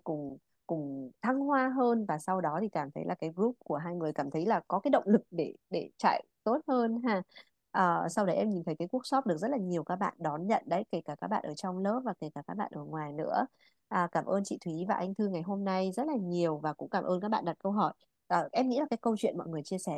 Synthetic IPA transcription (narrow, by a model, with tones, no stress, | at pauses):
kʊ̰˧˩ŋ͡m | kʊ˧˩ŋ͡mt̪ʰa˧ŋhwaː˧ɦəː˧nvaː˨˩sa˧wɗɔ˨˦t̪ʰi˨˩kaː˧˩mt̪ʰə˨˦jlaː˨˩kaː˨˦jɣɾu˦˥p̚ku˧˩əɦaː˧jŋɨ˨˩əjkaː˧˩mt̪ʰə˨˦jlaː˨˩kɔ˨˦kaː˨˦jɗə̰˧˨wŋ͡mlɨ˨˩k̚ɗe˧˩ɗe˧˩t͡ɕa̰ː˧˨jt̪o˦˥t̚həː˧nɦaː˧˩ | ʔəː˨˩sa˧wɗə˨˦jʔɛ˧mɲi˨˩nt̪ʰə˨˦jkaː˨˦jku˦˥ək̚sɔ˦˥p̚ɗɨ˨˩ək̚zə˦˥t̚laː˨˩ɲi˨˩əwkaː˦˥k̚ɓa̰ː˧˨nɗɔ˨˦nɲə̰˧˨nɗə˨˦jke˧˩kaː˧˩kaː˦˥k̚ɓa̰ː˧˨nʔəː˧˩t͡ɕɔ˧wŋ͡mlə˦˥p̚vaː˨˩ke˧˩kaː˧˩kaː˦˥k̚ɓa̰ː˧˨nʔəː˧˩ŋwaː˨˩jnɨ̰˧˥ə | ʔəː˨˩kaː˧˩mʔəː˧nt͡ɕḭ˧˨t̪ʰwi˨˦vaː˨˩ʔa˧jŋ̟t̪ʰɨ˧ŋa˨˩jɦo˧mna˧jzə˦˥t̚laː˨˩ɲi˨˩əwvaː˨˩kʊ̰˧˥ŋ͡mkaː˧˩mʔəː˧nkaː˦˥k̚ɓa̰ː˧˨ɗa˨˩t̚kə˧wɦɔ˧˩j | ʔəː˨˩ʔɛ˧mŋḭ˧˥laː˨˩kaː˨˦jkə˧wt͡ɕwḭ˧˨ənmɔ̰˧˨ŋɨ˨˩əjt͡ɕi˧əsɛ˧˩